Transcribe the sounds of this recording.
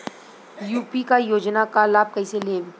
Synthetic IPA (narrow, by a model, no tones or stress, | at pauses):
juːpikajoːd͡ʒnakalaːb̚kɐiseleːʋ